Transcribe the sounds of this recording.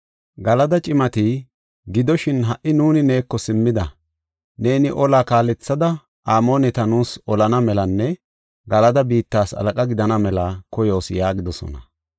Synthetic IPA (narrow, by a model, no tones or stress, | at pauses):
ɡɐlɐd̪ɐt͡ʃʼɪmɐt̪ɪ | ɡɪd̪ɔʃɪnɦɐʔɪnuːnɪne̞ːkːɔsɪmːɪd̪ɐ̰ | ne̞ːnɪʔɔlaːkaːlɛt͡sːɐd̪ɐ | ʔaːmo̞ːnɛt̪ɐnuːsɔlɐnɐmɛlɐnːɛ | ɡɐlɐd̪ɐbiːt̪ːaːsɐ̰lɐkʼɐɡɪd̪ɐnɐmɛlɐkɔjo̞ːsjaːɡɪd̪ɔsɔ̰nɐ̰